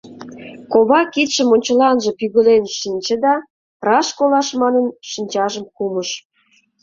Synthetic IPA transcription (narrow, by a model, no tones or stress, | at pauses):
koβɑkit̪ʃə̆monʲt͡ɕə̆lɑnʒə̆pyɣə̆lenʃinʲt͡ɕə̆d̪ɑ | rɑʃkolɑʃmɑnənʃinʲt͡ɕɑʒəmkuməʃ